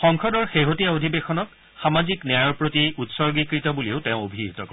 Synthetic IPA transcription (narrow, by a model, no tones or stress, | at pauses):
xɔŋkʰɔdɔɹxeɦotijaodʱibexɔnɔk | xamazikniajɔɹpɹotiutsɔɹɡikɹitɔbulioʊtẽʊ̃obʱiitɔkɔ